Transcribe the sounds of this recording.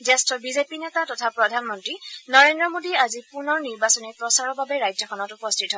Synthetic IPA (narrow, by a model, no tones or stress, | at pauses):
zɛstɹɔbizepinɛtatɔtʰapɹɔdʱanmɔntɹinɔɹendɹɔmodiazipunɔɹniɹbasɔnipɹɔsaɹɔbabɛɹajd͡ʒzɔkʰɔnɔtupɔstʰitɦɔɛ